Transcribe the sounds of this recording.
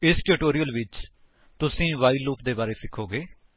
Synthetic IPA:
ɪsʈuːʈoːɾijəlʋɪt͡ʃ | t̪ʊsĩːʋaːiluːpd̪eːbaːɾeːsɪkʰːoːɡeː

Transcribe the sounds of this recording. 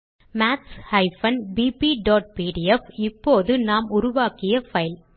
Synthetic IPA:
maːʈshɐɪfɐnbiːpiɖoːʈ̚piːɽɪɛfɪpːoːðɯnaːmʊɾʊʋaːkɪjɐfɐɪl

